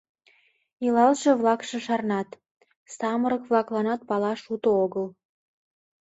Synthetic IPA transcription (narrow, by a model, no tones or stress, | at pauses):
ilɑlʃĕβlɑkʃĕʃɑrnɑt̪ | sɑməɾəkβlɑklɑnɑt̪̚pɑlɑʃut̪ooɣəl